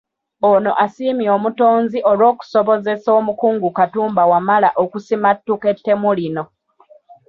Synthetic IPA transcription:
ono̞ʔasiːmio̞ːmuto̞ːnziʔo̞lwo̞ːku̥soβo̞ze̞so̞ːmukuːŋɡukatuːmbawamalaʔokusimatːuke̞tːe̞mulino̞

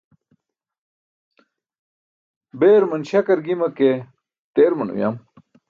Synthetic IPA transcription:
beːɾmɐnɕɐkɐɾɡimɐke | t̪eːɾmɐnṵja̰ːm

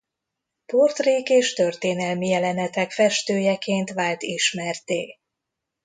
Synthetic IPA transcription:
port̪riːkeːʃt̪ørt̪eːnɛlmijɛlɛnɛt̪ɛkfɛʃt̪øːjɛkeːnt̪ʋaːlt̪iʃmɛrt̪eː

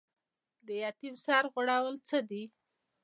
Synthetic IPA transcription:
d̪əjɑt̪iwsɑɾɣʊɽawəlt͡səd̪i

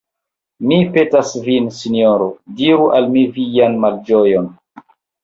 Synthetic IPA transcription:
mipe̞tasvinsinioɾodiɾuʔalmivijanmald͡ʒojon

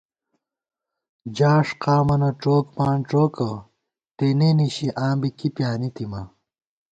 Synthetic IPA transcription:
d͡ʑaːʂqaːmɐnɐʈ͡ʂoːkpaːɳʈ͡ʂoːkɐ | t̪eneniɕiʔaːmbikipjaːnit̪imɐ

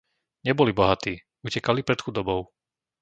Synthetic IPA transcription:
ɲɛbɔlibɔɦat̪iː | ucɛkalipɾɛt̪xud̪ɔbɔʊ

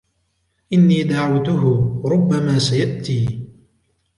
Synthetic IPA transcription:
ʔɪnːiːd̪aʕawt̪ʊɦʊɾʊbːamaːsajaʔt̪iː

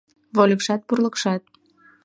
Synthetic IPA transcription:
βolʲəkʃɑt̪̚purləkʃɑt̪̚

